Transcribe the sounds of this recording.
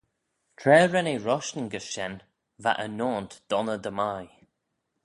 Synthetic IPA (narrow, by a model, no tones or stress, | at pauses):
tʰɹɛːɹɛneɹɔʃnəɡəsʃɛn | va̰ʔənoːnt̪d̪̥ɔnəd̪əmaj